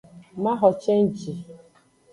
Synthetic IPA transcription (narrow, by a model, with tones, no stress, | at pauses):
ma˦ɦɔ˨t͡ʃe˦n̩˦˨t͡ʃi˨